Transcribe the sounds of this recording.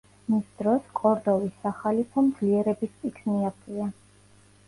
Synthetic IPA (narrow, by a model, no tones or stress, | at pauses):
misd̪ɾɔskʼɔɾd̪ɔvisːaχalipʰɔmd̪zliɛɾɛbispʼikʰniapʰia